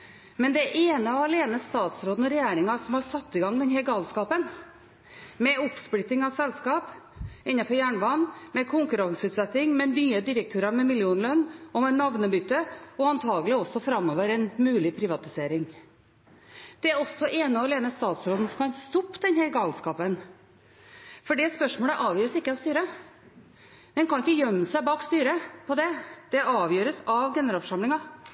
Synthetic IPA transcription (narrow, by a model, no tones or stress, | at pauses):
mɛnd̪ɛæʔeːnəɑʋɑleːnəst̪ɑːt̪sɾoːd̪n̩ɔɾɛjæːɾɪŋɑsɔmhɑɾʂɑt̪ːɪɡɑŋd̪ɛnɦæɾɡɑːlskɑːpən | mɛɔpsplɪt̪ːɪŋɑʋsɛlskɑːpɪnːɑfɔɾjæːɳʋɑnːmɛkʰʊŋkʉɾɑŋsəʉːt̪sɛt̪ːɪŋmɛnyːəd̪ɪɾəkt̪ʰøːɾɑɾmɛmɪljuːnlœnːɔmɛnɑʋnəbʏt̪ːəɔɑnt̪ʰɑːɡəlɪɔsːɔfɾɑmoːʋəɾɛnmʉːlɪpʰɾɪʋɑt̪ɪseːɾɪŋ | d̪̥ɛæɾɔsːɔʔeːnəɔleːnəst̪ɑːt̪sɾoːd̪ən̩sɔmkʰɑnst̪ɔpːd̪ɛnhɛɾɡɑːlskɑːpən | fɔɖɛspœʂmoːləʔɑːʋjøːɾəsɪkːəɑʋst̪yːɾə | d̪ɛnkʰɑnɪkːəjœmːsæɪbɑːkst̪yːɾəpʰɔd̪ɛd̪̥ɛɑːʋjøːɾəsɑʋɡɛnəɾɑlfɔʂɑmlɪŋɑ